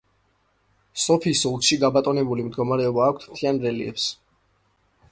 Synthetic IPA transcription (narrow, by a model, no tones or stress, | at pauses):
sɔpʰisɔlˠt̪ʃiɡabat̪ʼɔnɛbulimd̪ɡɔmaɾɛɔbaːk̚ʷʰt̪ʰmt̪ʰianɾɛlḭʔɛ̰ps